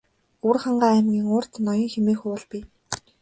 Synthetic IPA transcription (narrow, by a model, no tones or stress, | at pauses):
urχaɴɢaːæmɡʲiːŋʊːr̥t̪nɔjɞ̆ŋxemeːxuːʊɮpi